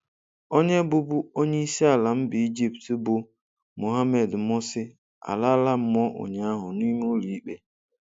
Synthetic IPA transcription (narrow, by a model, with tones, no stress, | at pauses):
o˦ɲe˦bʊ˦bʊ˦o˦ɲe˦i˦si˦a˨la˨m̩˦bɪ˨i˦d͡ʒi˦ptbʊ˨ | mo˨ɦa˦me˨dmʊ˦sɪ˦ | a̰˨la˦la˦m̩˦mɔ˦ʔʊ̰˨ɲa˦a˦ɦʊ˨ni˦mo˦li˨i˦k͡pe˦